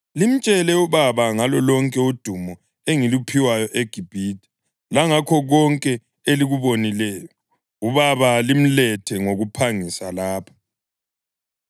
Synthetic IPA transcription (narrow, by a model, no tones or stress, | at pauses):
lim̩t͡ʃʼɛlɛuβaβaŋalɔlɔŋkʼɛud̥ʱumɔ | eŋilupʰiwajɔʔeɡ̥ʱib̥ʱiːtʰʼi̥ | laŋakʰɔɣɔŋkʼɛ | eliɣuβonilɛːjɔ | uβaβalim̩lɛtʰɛŋoɣupʰaŋisalaːpʰḁ